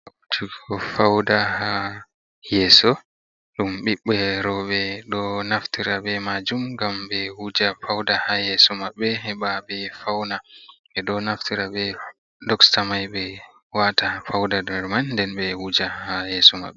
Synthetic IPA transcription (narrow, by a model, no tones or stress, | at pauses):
autʰiɡɔfawdaha | jɛːsɔ | ɗumɓiɓːɛɾɔɓɛɗɔnaftiɾabɛmad͡ʒumɡamɓɛwud͡ʒafawdahajɛsɔmaɓːɛhɛbabɛfawna | ɛɗɔnaftiɾaɓɛ | dɔkstamajbɛ | watafawdadɛɾmanndɛnɓɛwud͡ʒahajɛsɔma̰ɓːɛ